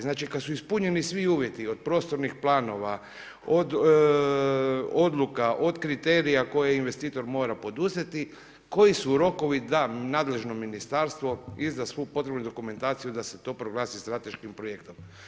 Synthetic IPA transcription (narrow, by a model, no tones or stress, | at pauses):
znaːt͡ʃikasuispuɲe̞nisʋiuːʋje̞t̪iod̪̚pɾo̞ːst̪o̞ɾnixplˠaːno̞ʋa | od̪ | o̞d̪lˠukaʔo̞d̪kɾit̪e̞ːɾijako̞jeinʋe̞st̪iːt̪o̞ɾmoːɾapo̞d̪uzet̪i | ko̞jisuɾo̞ko̞ʋid̪anaːd̪le̞ʒno̞minist̪aɾst̪ʋo̞izd̪asʋoupo̞t̪ɾebnud̪o̞kume̞nt̪aːt̪sijud̪ase̞t̪o̞ːpɾoɡlˠaːsist̪ɾat̪e̞ʃkimpɾo̞je̞kt̪om